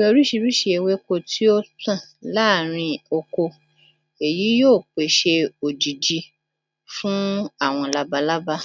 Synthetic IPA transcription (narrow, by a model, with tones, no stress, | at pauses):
o˧ɾi˦ʃi˧ɾi˦ʃi˧˦e˧we˦ko˧˦tʰi˦o˦tã˦˨ | la˦˨ɾ̃ĩ˧o˧ko˧ | e˨ji˨˦joː˦˨k͡pe˨ʃe˧o˨d͡ʒi˨d͡ʒi˧ | fũ˦a˦˨w̃ɔ̃˧la˦ba˧la˦ba˦